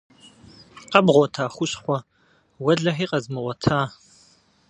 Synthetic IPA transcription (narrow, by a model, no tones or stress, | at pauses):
qɐbʁʷɔtʰaːχʷʊɕχʷɔ | wɐɮɐħiːqɐzmɨʁʷɔtʰaː